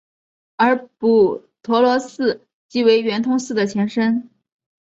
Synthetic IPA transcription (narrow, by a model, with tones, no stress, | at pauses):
ə˞˧˥pu˨˩ | t̪ʰwɔ˧˥lwɔ˧˥sɹ̩˥˩ | t͡ɕi˧˥we˧˥ɪɥɛ˧˥nt̪ʰʊ˥ŋsɹ̩˥˩d̪ə˩t͡ɕʰjɛ˧˥nʂə˥n